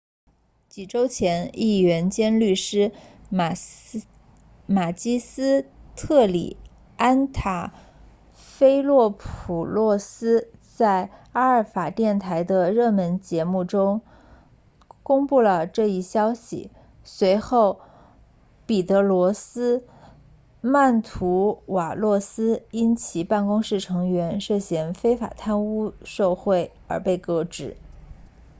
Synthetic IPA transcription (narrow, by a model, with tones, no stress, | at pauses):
t͡ɕi˨˩ʈ͡ʂo˥ʊt͡ɕʰjɛ˧˥ni˥˩ɥɛ˧˥nt͡ɕjɛ˥nly˥˩ʂɻ̩˥ | ma˨˩t͡ɕi˥sɹ̩˥t̪ʰɤ˥˩lḭ˨˩ | a˥nt̪ʰa˨˩ | fe˥ɪlwɔ˥˩pʰu˨˩lwɔ˥˩sɹ̩˥t͡sa˥˩ɪa˥ə˞˥˩fa˨˩t̪jɛ˥˩nt̪ʰa˧˥ɪd̪ə˧ɻɤ˥˩mə˧˥nt͡ɕjɛ˧˥mu˥˩ʈ͡ʂʊ˥ŋ | kʊ˥ŋpu˥˩lə˩ʈ͡ʂɤ˥˧i˥˩ɕjɑ˥ʊɕḭ˨˩ | swe˧˥ɪxo˥˩ʊ | pi˨˩t̪ɤ˧˥lwɔ˧˥sɹ̩˥ | ma˥˩nt̪ʰu˧˥wa˨˩lwɔ˥˩sɹ̩˥i˥nt͡ɕʰi˨˩pa˥˩nkʊ˥ŋʂɻ̩˥˩ʈ͡ʂʰɤ˧˥ŋɥɛ˧˥nʂɤ˥˧ɕjɛ˧˥nfe˥ɪfa̰˨˩t̪ʰa˥nu˥ʂo˥˧ʊxwe˥˩ɪ | ə̰˞˧˥pe˥˩ɪkɤ˧˥ʈ͡ʂɻ̩˨˩˦